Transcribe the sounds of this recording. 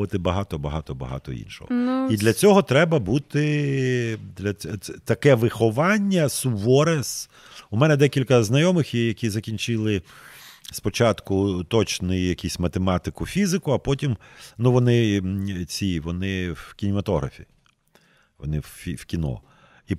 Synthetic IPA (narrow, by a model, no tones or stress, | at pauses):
ʋɐt̪ɪbɐɦɑt̪ɔbɐɦɑt̪ɔbɐ̰ɦɑ̰t̪ɔ̰ḭnʃɔ̰ɦɔid̪lʲɐt͡sʲɔɦɔt̪ɾɛbɐbut̪ɪ | d̪lʲɐt̪ɐkɛʋɪxɔʋɑnʲːɐsuʋɔɾes | umɛnɛd̪ɛkʲilʲkɐznɐjɔmɪxjɐkʲizɐkʲinʲt͡ʃɪlˠɪ | spɔt͡ʃɑt̪kʊt̪ɔt͡ʃnɪjjɐkʲisʲmɐt̪emɑt̪ɪkʊfʲizɪkʊɐpɔtʲimnuʋɔnɪt͡sʲiʋɔnɪwkʲinʲɪmɐt̪ɔɦɾɐ̰fʲḭ | ʋɔ̰nɪwʲiw̥kʲinɔ̰ | i